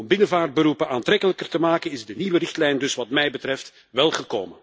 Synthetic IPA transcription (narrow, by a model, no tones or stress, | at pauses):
ɔmbɪnəvaːr̚bəɾupənaːntrɛkələkərtəmaːkənɪzdəniʋərɪxtlɛjndɵsʋɑtmɛjbətɾɛft | ʋɛlˠɣəko̰ːmən